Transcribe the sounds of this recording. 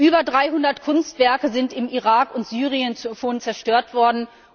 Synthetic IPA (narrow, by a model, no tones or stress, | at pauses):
ʔyːbɐdʁaɪɦʊndɐtkʰʊnstv̥ɛɐkəzɪntɪmiʁaːkʊntz̥yːʁiənfoːnt͡sɛɐʃtøːɐtv̥ɔɐdn̩